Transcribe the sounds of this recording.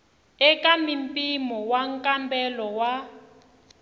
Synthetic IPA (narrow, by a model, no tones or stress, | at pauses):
ɛkamimpʼimɔwaŋkʼambɛlɔwa